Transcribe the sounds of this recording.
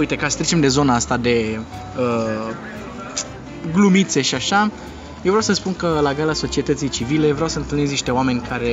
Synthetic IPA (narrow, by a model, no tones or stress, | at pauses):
ujt̪e̞kasə̥t̪ɾit͡ʃe̞md̪e̞zo̞naast̪ad̪e̞ | ə | ɡlumit̪se̞ʃiaʃa | jevɾjawsəspunkəlaɡalaso̞t͡ʃie̞t̪ət̪sijt͡ʃivilevɾeawsəɨnt̪ɨlnez̬niʃt̪e̞oame̞nʲkʰaɾe̞